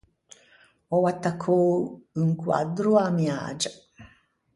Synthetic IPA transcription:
owat̪akʰouŋkua̰d̪ɾuamia̰ːd͡ʒa

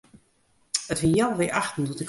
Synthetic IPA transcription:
ətʋɪjawʋɪʔaxtn̩tɔtɪk

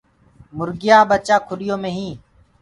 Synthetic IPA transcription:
mʊɾɡɪjaːɓət͡ʃaːkʰʊɗɪjõːmẽːɦĩː

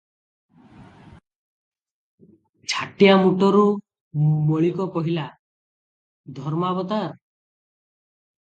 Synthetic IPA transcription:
t͡ʃʰaʈijamuʈɔɾu | mɔɭikɔkɔɦila | d̪ʱɔɾmabɔt̪aɾ

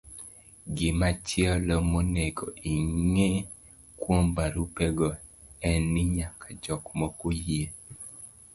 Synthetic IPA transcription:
ɡɪmat͡ʃiɔlɔmoneɡoʔiŋe | kwombaɾupɛɡɔɛnːɪɲakʰad͡ʒɔkmɔkoje

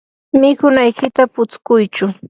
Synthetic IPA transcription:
mɪkʊnajkɪt̪apʊt͡skʊjt͡ʃʊ

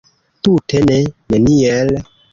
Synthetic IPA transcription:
tutʰeneneniel

